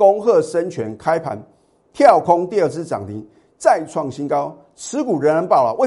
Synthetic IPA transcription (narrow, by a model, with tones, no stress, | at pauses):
ko˦ŋxɤ˥˨˩ʂə˦nt͡ɕʰɥɛ˨˦nkʰa˦ɪpʰa̰˨˦n | t̪ʰjɑ˥˨ʊkʰɔ˦ŋt̪i˥˧ə˥˧t͡sɹ̩˥˧ʈ͡ʂɑ̰˨˩ŋt̪i˨˦ŋ | t͡sa˥˧ɪt͡sʰwɑ˥˨ŋɕi˦nkɑ˥˦ʊ | t͡s̩ʰ˧˦ku˨˩ɻə˧˦nɻa˧˥npɑ˥˩ʊla̰˨˦we˥˨˩